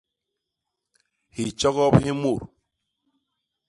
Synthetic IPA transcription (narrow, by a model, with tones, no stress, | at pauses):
hi˨t͡ʃɔ˦ɣɔ˦phi˦mu˦˨ɾ